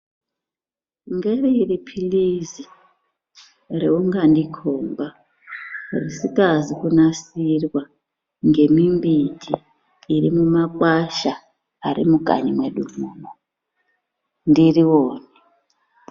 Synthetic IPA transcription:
ŋɡereiripʰilizi | reuŋɡandikʰoːmba | risikazikunasirwa | ŋɡe̞mimbitʰiː | ɾimumakʼwaʃa | aɾḭmuɡʱa̰ɲimweɗumuːmo | ndiriwoːni

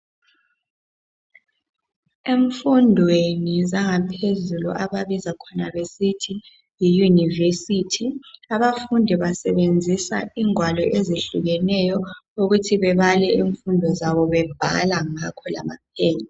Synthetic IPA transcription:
eɱfundʱwenizaŋapʰezulṵʔaβaβizakʰɔnaβesitʰi | jijunivesitʰiaβafundʱiβasɛβend͡zʱisa̰iŋwalɔʔezeɬuɣɛnɛjɔuɣutʰiβɛβalɛiɱfundʱɔzaβɔβɛb̥ʱa̰laŋakʰɔla̰mapʰɛːɲa

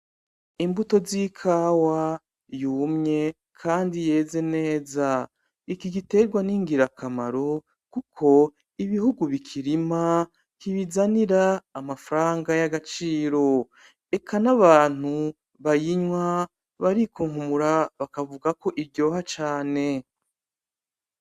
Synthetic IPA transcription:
imbuto̞zikʰaːwa | juːmɲe̞ | kʰaːndije̞ːze̞ne̞ːza | ikiɡite̞ɾɡwaniŋɡiɾakʰamaɾo̞ | kukʰo̞ | iβihuɡuβikʰiɾima | kiβizaniɾaːmafaɾaːŋɡajaɡat͡ʃiːɾo̞ | e̞kʰanaβaːn̥hu | βajiɲwa | βaɾikuŋhumuɾaβakavuɡako̞ʔibɟo̞ːɦat͡ʃaːne̞

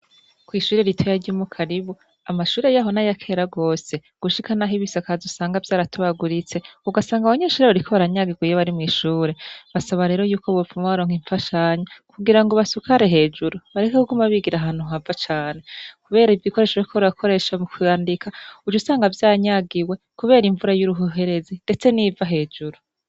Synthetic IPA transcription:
kwiʃuːɾeɾitʰo̞jaɾɟuːmukʰaɾiβu | amaʃuːɾe̞jaɦo̞najakʰe̞ɾaɡo̞ːse̞ɡ̥uʃikʰanaɦiβisakazusaːŋɡavjaːɾatuβaɡuɾit͡se̞uɡasaːŋɡaβaɲeːʃuːɾeβaɾikʰoβaɾaɲaɡiɡwijeβaɾimŋiʃuːɾe̞βasaβaɾe̞ːɾo̞juːkoβofumaβaɾoːŋ̥iɱfaʃaɲakuɡiɾaŋɡoβasukaɾe̞ɦe̞d͡ʒuɾuβaɾekakuɡumaβiɡiɾaɦaːn̥huɦavat͡ʃaːne̞kuβe̞ːɾaivjiko̞ɾe̞ːʃoikʰoβakʰo̞ɾe̞ʃamukijaːndikʰaud͡ʒusaːŋɡavjaːɲaɡiwe̞ | kuβe̞ːɾiɱvuɾajuɾuɦuɦe̞ɾe̞zinde̞t͡se̞nivaɦe̞ːd͡ʒuɾu

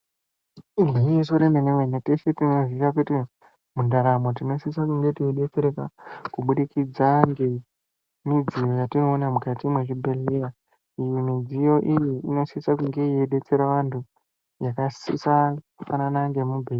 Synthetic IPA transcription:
iɡweijesoɾemeneʋenetesetino̞zirakuti | mundaɾamo̞t̬ino̞sisakuŋɡe̞tieɗe̞t͡se̞ɾekakuɓuɗikid͡zaŋɡe̞ | mid͡zijo̞jatino̞ːnamukatimweʐibʱe̞leja | ijimid͡zijo̞ʔijiino̞sisakuŋɡe̞ijeɗe̞t͡se̞ɾaʋantʰu | jakasḭsakufananaŋɡe̞mubʱe

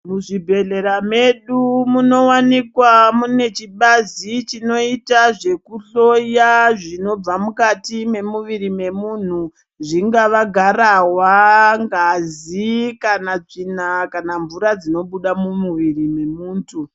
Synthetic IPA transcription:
muʐibʱe̞ɮe̞ɾame̞ɗumuno̞wanikwamune̞t͡ʃiɓazit͡ʃino̞itaʐe̞kuɬo̞jaʐino̞b͡vamukatime̞muʋiɾime̞mun̤u | ʐiŋɡaʋaɡʱarawaŋɡazikanat͡ʂinakanaɱvuɾad͡zino̞ɓuɗamumuʋirime̞muːntʰu

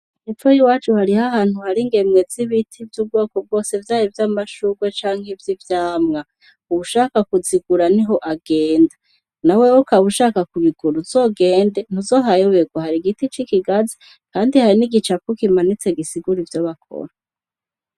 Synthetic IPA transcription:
efojiwaːt͡ʃuhaɾihaɦaːn̥huhaɾiŋɡe̞mŋe̞ziβitʰivjub̚ɡo̞ːkob̚ɡo̞ːse̞vjaːɾivjamaʃuɡwet͡ʃaːŋhevjivjaːmŋa | uβuʃaːkakuziɡuɾaniɦo̞ʔaɡe̞ːnda | nawewokaβuʃaːkakuβiɡuɾuzo̞ɡe̞ːnde̞n̥uzo̞ɦajoβeɡwahaɾiɡitit͡ʃikiɡazi | kaːndihaɾiniɡit͡ʃakukimanit͡se̞ɡisiɡuɾivjoβakʰo̰ɾa

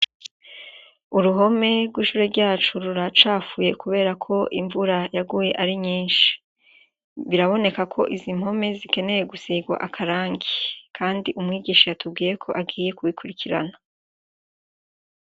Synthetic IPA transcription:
uɾuɦo̞me̞ɾɡwiːʃuːɾeɾɟaːt͡ʃuɾuɾat͡ʃaːfuje̞kuβe̞ːɾakʰo̞ʔiɱvuɾajaɡuːje̞ʔaɾiɲiːnʃi̥ | βiɾaβo̞ne̞kakʰo̞ʔizimho̞me̞zike̞ne̞je̞ɡusiɡwa̰ʔakʰaɾaːŋɡikʰaːndiʔumŋiːɡiːʃajatub̚ɡiːje̞kʰo̞ʔabɡiːje̞kuwikʰuɾikʰiɾa̰na

